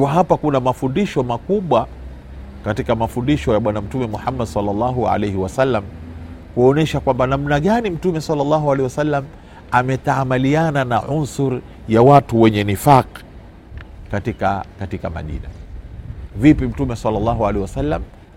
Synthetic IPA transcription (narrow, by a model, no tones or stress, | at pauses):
waɦapakunamafundiʃɔmakuɓwa | katikamafundiʃɔjaɓwanam̩tumɛmuħamːadsalːɑlːɑɦua̰lɛjhiwasalːamkuɔnɛʃakwambanamnaɠanim̩tumɛsalːɑlˤːɑɦualɛiwasalːam | amɛtamaliananaʕunsuɾ | jawatuwɛɲɛnifaq | katikakatikama̰ʄḭna̰ | vipim̩tumɛsalːalːɑɦualɛhiwasalːam